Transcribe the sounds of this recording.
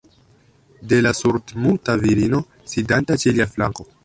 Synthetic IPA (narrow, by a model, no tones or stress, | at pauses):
delasuɾdmutaviɾino̞ | sidantat͡ʃeliafla̰ŋko̞